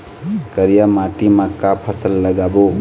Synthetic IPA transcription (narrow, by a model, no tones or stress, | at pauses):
kəɾijamaʈimakapʰəsəlːəɡabo